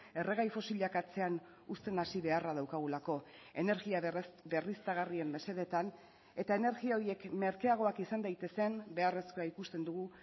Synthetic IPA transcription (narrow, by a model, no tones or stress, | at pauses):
e̞re̞ɣajfo̞siʎakat͡se̞an | ust̪e̞nasiβe̞araðawkaɣ̞ulako̞ | e̞ne̞ɾɣiabe̞rist̪aɣ̞arie̞mbe̞se̞ðe̞t̪an | e̞t̪ae̞ne̞ɾɣiao̞ɾie̞kme̞ɾkeaɣ̞o̞akisand̪ajt̪e̞se̞mbe̞are̞skoaikust̪e̞nd̪uɣu